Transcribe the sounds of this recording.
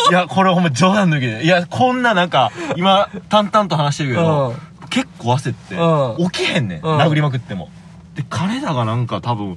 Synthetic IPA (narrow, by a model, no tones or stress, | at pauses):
jakʰoɾeaɦomːad͡ʑoːd̪ãnt̪okid̪ejakʰõ̞nːanãŋkaimat̪ãnt̪ãnt̪o̞ɦanaɕi̥t̪eɯ̟ked̪oke̞kːoːβase̞t̪ːeokʲihẽ̞nːe̞̰naɡɯ̟ɾimak̬ɯ̟t̪ːe̞mo̞̰ | d̪̥e̞kʰaɾe̞d̪aɡanãŋkat̪abɯ̟̃ŋ